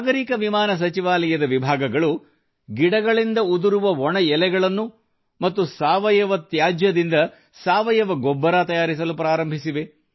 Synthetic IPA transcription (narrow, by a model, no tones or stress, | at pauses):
aːɡɐɾiːkɐʋimaːnɐs̬ɐt͡ʃiʋaːlɐjɐd̪ɐʋibʱaːɡɐɡɐɭu | ɡiɽɐɡɐɭind̪ɐud̪uɾuʋɐɔɳɐjɛlɛɡɐɭɐnːu | mɐt̪ːusaːʋɐjɐʋɐt̪jaːd͡ʒjɐd̪ind̪ɐ | saːʋɐjɐʋɐɡɔbːɐɾaːt̪ɐjaːɾis̬ɐlupɾaːɾɐmbʱisiʋe̞